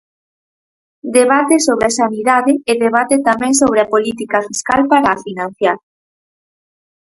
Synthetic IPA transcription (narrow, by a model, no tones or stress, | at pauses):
d̪eβat̪esoβɾasaniðaðɪːðeβ̞at̪et̪amɛ̃ŋsoβ̞ɾeapolit̪ikafiskalpaɾaːfinãn̟θjaɾ